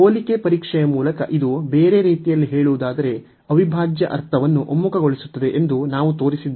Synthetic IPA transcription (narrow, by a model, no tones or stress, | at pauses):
oːlikepɐɾiːkʂɛjɐmuːlɐkɐ̰ʔid̪ube̞ːɾe̞ɾiːt̪ijɐlːiɦe̞ːɭuʋud̪aːd̪ɐɾe̞ | ɐʋibʱaːd͡ʒjɐʔɐ̰ɾt̪ʰɐʋɐnːuʔo̰mːukɐɡo̞ɭisut̪ːɐd̪e̞ʔend̪unaːʋut̪o̞ːɾisid̪ː